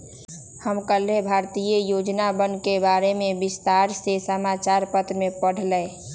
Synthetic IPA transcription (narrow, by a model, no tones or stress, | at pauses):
həmkəlebʱaːɾt̪ijəjoːd͡ʒnabənkebaːɾemẽbɪst̪aːɾsesəmaːt͡ʃaːɾpət̪ɾmẽpəɽ̤lə